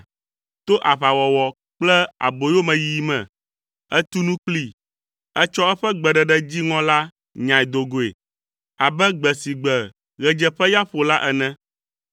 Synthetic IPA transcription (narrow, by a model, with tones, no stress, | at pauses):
t̪o˦ʔa˨βa˨wɔ˨wɔ˨ | k͡plɛ˦a̰˨bo˨jo˦mɛ̃˨ji˨˦mɛ̰̃˨ | ɛ˦t̪u˦nũ˦k͡pli˦ | ɛ˦t͡ʃɔ˦ɛ˦ɸɛ˦ɡ͡bɛ˨ɖɛ˨ɖɛ˦d͡ʑi˦ŋɔ̃˦la˦ | ɲã˨i˨d̪o˨ɡo˨ḛ˨ | a˨bɛ˦ɡ͡bɛ˨si˨ɡ͡bɛ˨ | ɣɛ˨d͡ʒɛ˦ɸɛ˦ja˦ɸo˨la˦ʔɛ˨nɛ̃˦